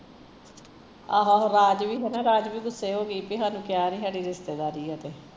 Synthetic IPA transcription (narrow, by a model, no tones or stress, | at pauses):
aːɦaːɾaːd͡ʒʋiːɦɛːnãːɾaːd͡ʒʋiːɡʊsːeːɦoːɡiːpiːɦaːnũːkɪjaːnĩːsaːɖiːɾɪst̪eːd̪aːɾiːɦɛt̪eː